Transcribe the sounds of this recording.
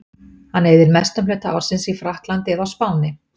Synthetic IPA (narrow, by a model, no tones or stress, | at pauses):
hanːejðɪɾmɛst̪ʏmlœːt̪aa̰wɾ̥sɪnsifɾahk̪lant̪ɪðawspaːwnɪ